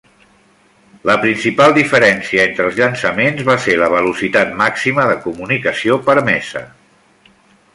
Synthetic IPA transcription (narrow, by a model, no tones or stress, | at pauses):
ləpɾinsipalˠd̪ifəɾɛnsiəent̪ɾəːlˠzʎənsəmenzβaseləβ̞əlusit̪at̪maksiməðəkumunikəsiopəɾmɛsə̰